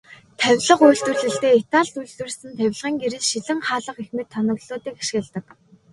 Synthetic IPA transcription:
t̪ʰæwʲɮə̆qujɮt̪ŭrɮɘ̆ɬt̪eːet̪aːɮt̪uɮt̪wɘ̆rsɘ̆nt̪ʰæw̆ʲɮʁiːŋɡeɾɘ̆ɮʃiɮɘ̆ŋχaːɮə̆qexmĕt̪ʰːɔnɞ̆ɣɮoːt̪iːkḁʃɣɪ̆ɮt̪ə̆k

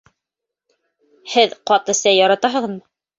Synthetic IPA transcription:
hɘðqɑt̪ɤ̆sæjɑɾɑt̪ɑɦɤ̆ððmɤ

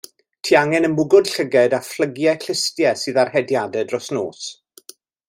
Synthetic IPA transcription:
tʰiːaŋɛnəmʊɡʊd̥ɬəɡɛdaflˠəɡjɛkɪstjɛsɨːðarhɛdjadɛdrɔsnoːs

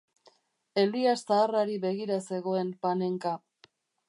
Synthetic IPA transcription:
e̞liast̪aːraɾiβe̞ɣiɾase̞ɣo̞e̞mpane̞ŋka

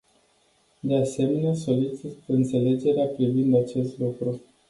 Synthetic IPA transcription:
d̪ease̞me̞neaso̞lit͡ʃit̪ɨnt̪se̞le̞d͡ʒe̞ɾeapɾivind̪at͡ʃe̞st̪lukɾu

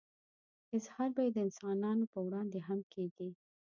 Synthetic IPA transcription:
ɪzhɑɾbɑjed̪əɪnsɑnɑnopəwɽɑnd̪eɦamkʰeɡi

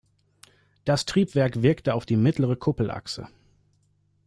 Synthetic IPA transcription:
d̥astʁ̥iːpv̥ɛɐkv̥ɪɐktəaʊfd̥iːmɪtʰləʁəkʰʊpl̩ʔa̰ksə̰

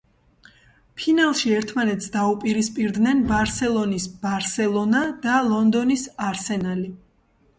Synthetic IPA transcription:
pʰinalˠʃiɛɾt̪ʰmanɛt̪ʰsd̪aupʼiɾispʼiɾd̪nɛnbaɾsɛlˠɔnisb̥aɾsɛlˠɔnad̪̥alˠɔnd̪ɔnisaɾsɛnali

